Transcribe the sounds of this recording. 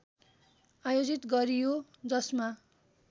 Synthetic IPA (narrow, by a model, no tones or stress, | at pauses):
ajod͡zit̪ɡʌɾijo | d͡zʌsma